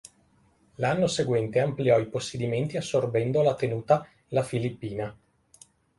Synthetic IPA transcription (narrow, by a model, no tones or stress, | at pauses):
lanːoseɡwɛnt̪eampliɔiposːed̪iment̪iasːorbɛnd̪olat̪enuːt̪a | lafilipːiːna